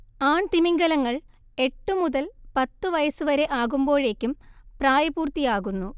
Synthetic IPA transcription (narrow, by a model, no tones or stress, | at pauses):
aːɳt̪imiŋɡɐlɐŋːɐɭ | e̞ʈːumuðɐlpɐt̪ːuʋɐjɐsuʋɐɾe̞ʔaːɣumbo̞ːɻe̞ːkʲːumpraːjɐbuːrt̪ːijaːɣunːu